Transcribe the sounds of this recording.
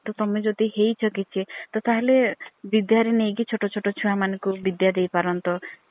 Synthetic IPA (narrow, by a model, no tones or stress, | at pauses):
t̪ɔt̪ɔmed͡ʒod̪iɦejt͡ʃʰɔkit͡ʃʰit̪ɔt̪aɦelebid̪jaɾenejɡit͡ʃʰoʈɔt͡ʃʰoʈɔt͡ʃʰuamanɔkubid̪jad̪ejpaɾɔnt̪ɔ